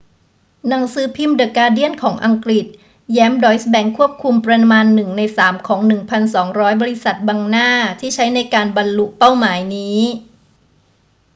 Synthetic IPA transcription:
na˩˦ŋsɯː˨˦pʰi˧mdɤː˨˩kaː˧di˥˩ənkʰɔː˩˦ŋʔa˧ŋkɾi˨˩t̪̚ | jɛː˦˥mdɔː˦˥jsbɛ˧ŋkʰu˥˩əp̚kʰu˧mpɾa˧maː˧nːɯ˨˩ŋna˧jsaː˩˦mkʰɔː˩˦ŋnɯ˨˩ŋpʰa˧nsɔː˩˦ŋɾɔː˦˥jbɔː˧ɾi˧˥sa˨˩t̪̚baː˧ŋnaː˥˩t̪ʰiː˥˩t͡ɕʰa˦˥jna˧jkaː˧nba˧nlu˦˥ʔpa˥˩wmaː˩˦jniː˦˥

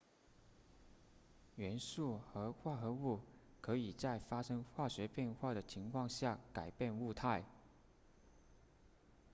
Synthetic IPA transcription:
ɥɛ˧˥nsu˥˩xɤ˧˥xwa˥˩xɤ˧˥u˥˩ | kʰɤ˧˥i˨˩t͡sa˥˩ɪfa˥ʂɤ˥ŋxwa˥˩ɕɥɛ˧˥pjɛ˥˧nxwa˥˩d̪ə˩t͡ɕʰi˧˥ŋkʰwɑ˥˧ŋɕja˥˩ka˨˩ɪpjɛ˥˧nu˥˧t̪ʰa˥˩ɪ

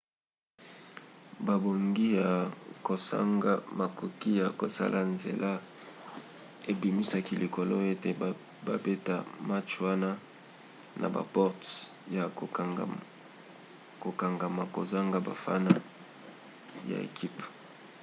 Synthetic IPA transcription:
ba˨bo˨ŋɡi˦ja˨ko˨sa̰˦ɡa˦ma˨ku˨ki˦ja˨ko˨sa̰˦lʔa˨nzḛ˨lʔa˦ | e˨bi˨mi˦sa˦ki˦lʔi˨ko˨lo˦e˦te˨ | ba˨be˦ta˦ma˦t͡ʃwa˦na˦ | nʔa̰˨ba̰˨pɔ˦ʁt | ja˨ | ko˨ka˨ŋɡa˨ma˨ko˨za˦ŋɡa˦ba̰˨fa̰˦na˦ | ja̰˨ḛ˨kʰi˦p

